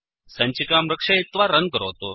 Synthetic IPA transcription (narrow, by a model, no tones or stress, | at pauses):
sə̃ɲt͡ɕikamɾəkʂait̪ʋaɾəŋ̚kəɾot̪o